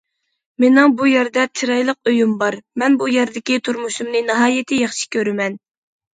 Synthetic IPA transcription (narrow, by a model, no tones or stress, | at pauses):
mɪnɨŋbujɛɾd̪ɛt͡ʃʰiɾɑjlˠəq̚øjymbɑɾmɛnbujɛɾd̪ɪkʲit̪ʰuɾmuʃumnɨnɨɦɑːjɪt̪ʰɪjɑχʃi̥kʲʰøɾɪmɛn